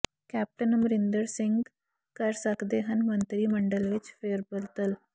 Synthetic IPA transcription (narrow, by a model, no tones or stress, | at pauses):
kɛːp̚ʈənmɾɪnd̪əɾsɪ̃ŋɡ | kəɾsəkd̪eːɦənmənt̪ɾiːməɳɖəlʋɪt͡ʃpʰeːɾbəlt̪əl